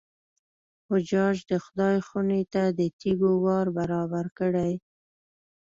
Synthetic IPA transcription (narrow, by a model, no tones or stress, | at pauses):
hʊd͡ʒɑʒd̪əxʊd̪ɑjxunet̪ad̪ət̪iɡowɑɾbaɾɑbaɾkəɽaj